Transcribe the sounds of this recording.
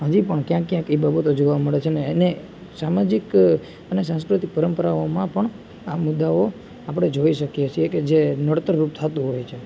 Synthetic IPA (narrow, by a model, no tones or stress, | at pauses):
ɦəd͡ʒipəɳkjãkːjãkibabət̪od͡ʒoʋaməɭet͡ʃʰenene | samad͡ʒik | ənesãnskɾut̪ik̚pəɾəmpəɾaomãpəɳ | amud̪ːao | apɽ̃ed͡ʒoiʃəkijet͡ʃʰieked͡ʒenəɽt̪əɾːup̚t̪ʰat̪ũɦojt͡ʃʰe